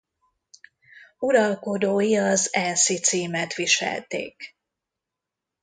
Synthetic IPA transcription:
uɾɒlko̞d̪oːjiɒzɛnsit̪siːmɛt̪ʋiʃɛ̰lt̪ḛːk

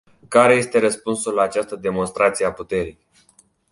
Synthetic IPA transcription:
kaɾe̞je̞st̪e̞ɾəspunsulaːt͡ʃast̪əd̪e̞mo̞nst̪ɾat̪sijeaput̪e̞ɾij

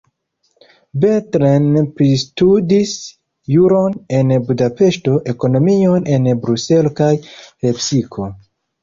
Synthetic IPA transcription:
betɾenpɾistudis | juɾo̞ne̞nbudape̞ʃto̞ʔe̞ko̞no̞mio̞nʔe̞nbɾuse̞lokajhe̞psikʰo̞

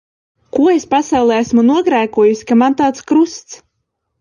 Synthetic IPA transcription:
kuɔespasawlˠɛːæsmunuɔɡɾæːkuɔjusi̥kamant̪aːt̪skɾust̪s

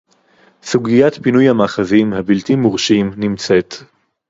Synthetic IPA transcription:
suɡijatpinujhamaːχazimhabiltimuʁʃimnimt͡set

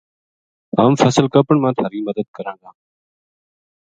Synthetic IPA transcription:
aːmfəːsəlkəpəɳmãːt̪ʰaːɾiːməd̪əd̪̚kəɾãːɡaː

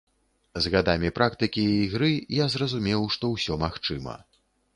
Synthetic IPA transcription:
zɣad̪amʲipɾʔakt̪ɨkʲiːɣɾɨjazrɐzumʲɛwʂt̪ɔwsʲɔmaxt͡ʂɨmɐ̰

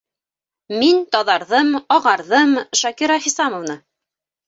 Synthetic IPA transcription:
mint̪ɒðɑɾðɤmɑʁɑɾðɤmʃɒkiɾaχisamŏvnɤ

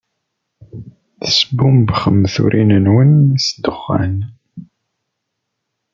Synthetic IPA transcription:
θəsbumbχəmθṵɾʔinənwənsd̪əχːa̰n

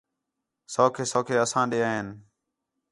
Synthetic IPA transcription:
soːkʰeːsoːkʰeːəsãːɗeːaːɦeːn

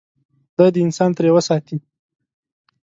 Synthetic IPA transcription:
d̪̥ad̪əɪnsɑnt̪ɾewəsɑt̪i

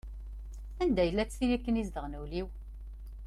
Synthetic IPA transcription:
ænd̪æjəlːæt͡sːθilikːənizd̪əʁnəwliw

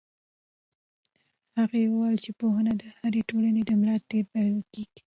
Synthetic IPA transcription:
haɣajewəwajlt͡ʃepoɦənad̪əhaɾeʈolaned̪əmlɑt̪eɾbaɾwəkeɡ̥i̥

